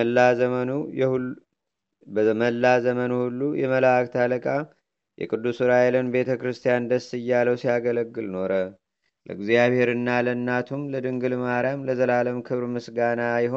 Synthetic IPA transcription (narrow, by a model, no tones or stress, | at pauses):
a | məlːazəmənuhulːujɛməlakt̪ʰaləkʼa | jʔɛ̰kʼɨd̪ːusuɾajelənbe̞t̪ʰəkɾɨst̪ʰijand̪əsːɨjːaləwsiaɡələɡːɨlno̞ɾə | lə̰ɡzijaβhe̞ɾɨnːalənːat̪ʰumləd̪ɨŋɡɨlmaɾjamləzəlaləmkʰɨβɾmɨsɡanajɪɦo